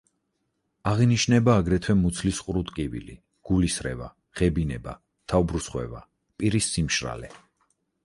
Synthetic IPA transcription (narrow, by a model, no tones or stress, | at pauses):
aʁiniʃnɛbaːɡɾɛt̪ʰwɛmut̪sʰlisqʼɾut̪ʼkʼivḭlḭ | ɡ̥ulisɾɛ̰va | ʁ̥ɛbinɛba | t̪ʰaubɾusχwɛ̰va̰ | pʼiɾisːimʃɾa̰lɛ